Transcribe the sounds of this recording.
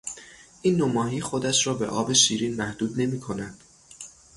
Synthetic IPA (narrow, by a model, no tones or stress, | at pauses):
ʔiːnːomɒːɦiːxo̞d̪æʃɾɒːbe̞̰ʔɒːbe̞ʃiːɾiːnmæhd̪uːd̪ne̞miːkʰo̞næd̪̥